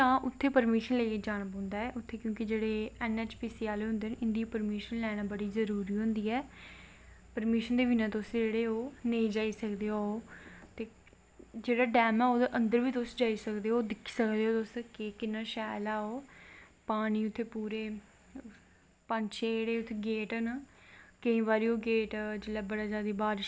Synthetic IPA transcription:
t̪ãːʔʊt̪ʰːeːpəɾmiːʃənleːed͡ʒaːñapãːnd̪aːɛːʔʊt̪ʰːeːkjõːkɪd͡ʒeːɽeːɛnɛːt͡ʃpiːsiːaːleːɦʊnd̪eːnʔɪnd̪iːopəɾmiːʃənlɛːɽaːbəɽiːzəɾuːɾiːɦʊ̃nd̪iːɛː | pəɾmiːʃənd̪eːʋɪnãːt̪osd͡ʒeːɽeːoːneid͡ʒaːiːsəkd̪eːooːt̪eː | d͡ʒeːɽaːɖɛːmɛːoːd̪eːʔənd̪əɾʋiːt̪ʊsd͡ʒaːiːsəkd̪eːoːd̪ɪkʰːi̥ːsəkd̪eːɦoːt̪ʊskɪkɪnːaːʃaːlaːoːpaːɽ̃iːʊt̪ʰːeːpuːɾeː | pəɲt͡ʃeɽeːʊt̪ʰːeːɡeːʈːnaːkəĩːbaːɾiːoːɡeːʈd͡ʒɪlɛːbəɽaːd͡ʒaːd̪iːbaːɾɪʃ

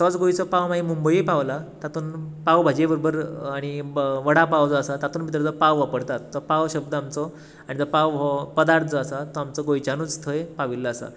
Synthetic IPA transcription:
t̪ɔt͡sɡojt͡sɔpawmaɦimumbəipaʋlat̪at̪uːnpawbʱad͡ʑebəɾobəɾaɽ̃iʋəɽapawd͡zɔːsat̪at̪uːnmit̪ɾəd͡zəpaʋʋapəɽt̪at̪ːɔpaʋɕəb̚d̪əamt͡sɔ | aɽ̃id͡zəpaʋɔpəd̪aɾt̪ʰd͡zəːsat̪ɔamt͡sɔɡojt͡ɕanut͡st̪ʰəjepaʋilːaːsa̰

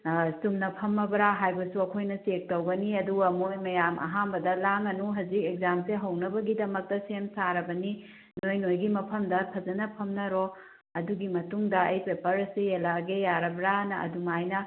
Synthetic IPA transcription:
sumnɐpʰɐmːɐbɾaɦajbɐsuɐkʰojnɐsek̚tɐwɡɐniɐduɡɐmojmɐjamʔɐ̰ɦambɐdɐlaŋɐnuɦɐzikek̚zamseɦɐwnɐbɐɡidɐmɐk̚tɐsemsaɾɐbɐni | nojnojɡimɐpʰɐmdɐpʰɐzɐnɐpʰɐmnɐɾo | ɐduɡimɐtuŋdɐɐjpepɐɾɐsijɐlaɡejaɾɐbɾanɐɐ̰dumajnɐ

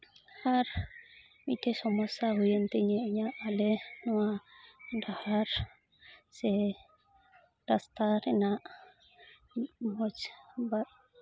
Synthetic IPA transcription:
haɾ | mit̪esɔmɔsaɦujent̪ɛɲɛʔɲaʔːlɛnɔadahaɾ | sɛ | dast̪aɾɛnaʔ | mɔt͡ʃbat̪

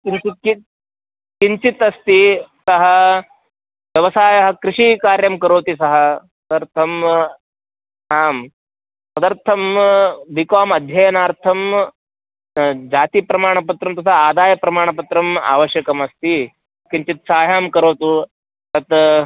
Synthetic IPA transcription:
kiɲt͡ʃit̪̚ki | kiɲt͡ʃit̪ɐst̪isɐɦɐ | ʋjɐʋɐsaːjɐɦɐ̆kɾɪʂikaːɾjɐmkɐɾoːt̪isɐɦɐ̆sɐd̪ɐɾt̪ʰɐm | aːm | sɐd̪ɐɾt̪ʰɐmʋikaːmɐd̪ʱjɐjɐnaːɾt̪ʰɐm | d͡ʒaːt̪ipɾɐmaːɳɐpɐt̪ɾɐmt̪ɐt̪ʰaaːd̪aːjɐpɾɐmaːɳ̃ɐpɐt̪ɾɐma̰ːʋɐʃjɐkɐmɐst̪i | kiɲt͡ʃit̪saːjaːmkɐɾoːt̪u | t̪ɐt̪

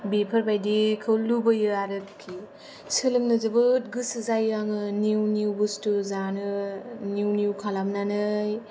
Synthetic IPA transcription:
bepʰɐɾbajdikʰɯwlubɯjɯaɾɯkkʰːi | sɯlɯŋnɯzɯbɯt̚ɡɯsɯzajaŋɯniwniwbustuzanɯniwnjiwkʰalamnanɯj

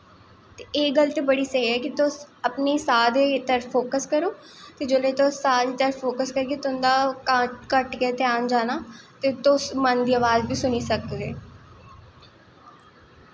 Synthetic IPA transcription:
t̪eeːkɡəlt̪ebəɽisəɦiɦɛːkit̪õɐpnisaːd̪et̪əɾfoːkəskəɾoː | t̪ed͡ʒoːlet̪osaːd̪it̪əɾfoːkəskəɾket̪ʊ̃nd̪aːkkəʈket̪ɪaːnd͡ʒaːnaːt̪et̪õsmənd̪iəʋaːzbʱiːsʊnisəkɡeː

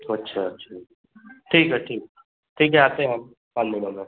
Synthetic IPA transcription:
ɐtːʃʰatːʃʰa | ʈʰiːkɦɛʈʰiːk̚ | ʈʰiːkɦɛaːt̪eɦɛ̃ɦəm | panmɪnõːɡe

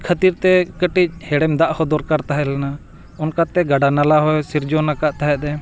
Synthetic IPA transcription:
kʰət̪iɾt̪ɛkəʈic̚hɛɽɛmd̪aʔhɔd̪ɔɾkaɾt̪aɦɛlana | ɔnkat̪ɛɡaɖanalaɦɔjsiɾd͡ʒɔnakaʔt̪aɦɛd̪ɛ

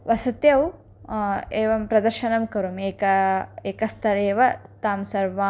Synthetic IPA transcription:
ʋɐsɐt̪jɐw | eːʋɐmpɾɐd̪ɐɾʃɐnɐmkɐɾumeːkɐeːkɐst̪ʰɐleːʋɐt̪aːmsɐɾʋaː

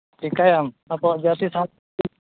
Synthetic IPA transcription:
ʈʰikajam | ɐpɔbjat̪isã

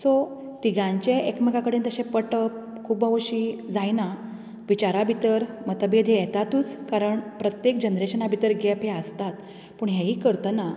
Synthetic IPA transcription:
sɔ | t̪iɡãɲt͡ɕeʔekmeɡakəɽiːnt̪əɕẽpəʈəp | kʰuːbəʋɕiːd͡zajna | ʋit͡ɕaɾabʱit̪əɾmət̪əbed̪ʱejɛt̪at̪uːt͡skaɾəɳpɾət̪jekd͡ʑənɾeɕənabʱit̪əɾɡɛpɦeəst̪at̪ | puːɳɦeɦiːkəɾt̪əna

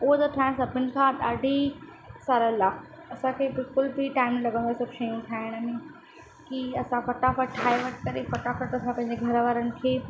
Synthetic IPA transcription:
ʊɦot̪ɐʈ̪ʰaːɦɪ̃ɽ̃sɐbɪn̆kʰãd̪aːɖʱi | saːɾəlaː | ɐsãkʰeːbɪlkʊlbʱiʈaːɪmlɐɡə̃nd̪osɐbʃɐjũt̪ʰaːɦɪɽ̃mẽ | kiɐsãfɐʈafəʈʰːaːeʋɐʈkɐɾefɐʈafɐʈɐsãpɐ̃ɪɲd͡ʑeɡʱɐɾʋaːɾənɪ̆kʰeː

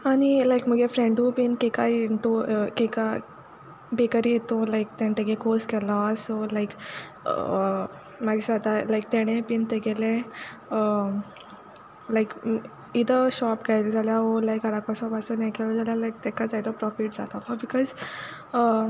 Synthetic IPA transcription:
aɽ̃ilajkməɡefɾeɳɖũpinkekajiɳʈoəkeka | bekəɾijet̪olajk̚t̪ent̪eɡekoɾskɛlasolaik | maɡiɕad̪alajk̚t̪ɛɽ̃epiːnt̪eɡelẽ | ə | lajk | id̪əɕɔpɡajld͡zaljaɦɔlajkəɾakɔɕɔpasonɛkelad͡zaljalajk̚t̪ɛkad͡zajt̪ɔpɾɔfiʈ̚d͡zat̪alɔbikɔz | ə

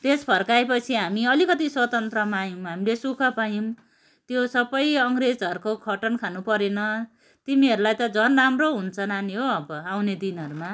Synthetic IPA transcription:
t̪espʰʌrkaepʌt͡sʰiɦamiʌlikʌt̪iswʌt̪ʌnt̪rʌmajumɦamilesukʰʌpajĩm | t̪josʌbʌjʌŋred͡zʌɾukokʰʌʈʌnkʰanupʌɾenʌ | t̪imiʌɾulajt̪ʌd͡zʌnramroɦunt͡sʰʌnaniɦoʌbʌawned̪inɦʌɾuma

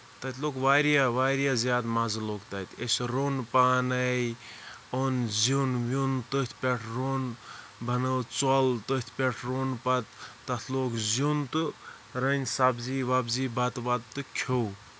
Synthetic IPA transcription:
t̪ɐt̪ʰlokʋaːɾijaʋaːɾijazjaːd̪mazloːkt̪ɐt̪esɾoːnpaːnɐj | onzunʋʲunt̪ot̪ʰpʲeʈʰɾoːn | bʱɐnət͡sɔlt̪ot̪ʰpʲeʈʰɾoːnpɐt̪ːɐt̪ʰloːkzunt̪ɨ | ɾənʲsabziːʋabziːbɐt̪ʋat̪̚t̪ɨkʲʰow

